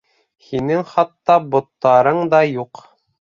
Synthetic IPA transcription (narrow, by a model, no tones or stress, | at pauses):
hinɘŋχɑt̪ːɑbŏt̪ːɑɾɤɴd̪ɑjuq